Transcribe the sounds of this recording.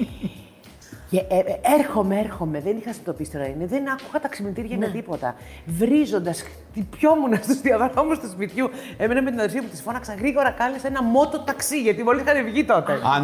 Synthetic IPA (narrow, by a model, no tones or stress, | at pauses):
eeɾxo̞meeɾxo̞me̞ðenixɐsit̪opist̪eɾɐineðenɐku̥xɐt̪ɐksimint̪iɾʝɐnet̪ipo̞t̪ɐ̰vɾizo̞nd̪ɐs | t̪ipço̞munɐst̪uzðiɐðɐomust̪uspit̪çu | e̞menɐme̞t̪inɐðeɾsiɐput̪isfo̞nɐksɐɣɾiɣo̞ɾɐkɐlesenɐmo̞t̪o̞t̪ɐksiʝɐt̪imolisixɐnevʝit̪o̞t̪e